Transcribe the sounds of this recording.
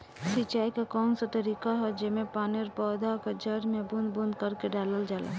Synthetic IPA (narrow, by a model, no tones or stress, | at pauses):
sit͡ʃaːikakɔːnsat̪əɾiːkaɦɛd͡ʒemẽpaːneɾpɔːd̪akad͡ʒəɾmẽbʊnd̪bʊnd̪kəɾkeɖaːləld͡ʒaːla̰